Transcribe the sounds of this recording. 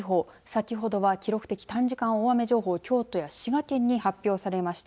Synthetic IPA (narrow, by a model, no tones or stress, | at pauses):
ɦo̞ː | sakʲiɦo̞d̪o̞βakʲiɾo̞kɯ̟̥t̪e̞kʲi̥t̪ãɲ̟d͡ʑikãɰ̃oame̞ʑo̞ːɦo̞ːkʲo̞ːt̪o̞jaɕiɡat̪ẽ̞ɲ̟ːihapʲːjo̞ːsaɾe̞maɕi̥t̪